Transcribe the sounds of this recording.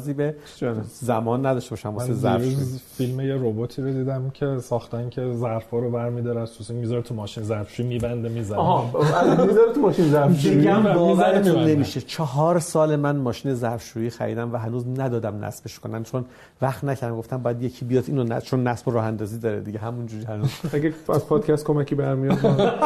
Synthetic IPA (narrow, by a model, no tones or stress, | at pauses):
ziːbe | zæmɒːnːæd̪ɒʃte̞bɒːʃæmvɔmsezæ̰ɾɾuzfilmejeɾobot̪ʰiːɾod̪iːd̪æmcʰe̞sɒːxt̪æncʰe̞zæɾfɒːɾobæɾmid̪ɒɾæzt̪ʰusiŋmizɒɾet̪ʰumɒːʃinezæɾfʃuimiːbænd̪emizænɦæmizɒɾet̪ʰumɒːʃinezæɾʃd̪iɡæmbɒːvæɾet̪ʰunnːemiːʃet͡ʃʰɒɦɒːɾsɒːlemænmɒːʃiːne̞zæɾfʃuːjiːxæ̰ɾḭːd̪æmvæɦænuːznæd̪ɒːd̪æmnæ̰sbeʃkʰonæmt͡ʃʰon | væxt̪næcʰæɾd̪æmɡo̞ft̪æmbɒːjæd̪je̞cʰiːbijɒːd̪iːnonæ̰t͡ʃʰonːæsboɾɒːhænd̪ɒːziːd̪ɒːɾḛd̪iɟeɦæmund͡ʒuːɾihænuːzæɡeæ̰zpʰɒːd̪̥cʰæst̪̚kʰo̞mæcʰiːbæɾmijd̪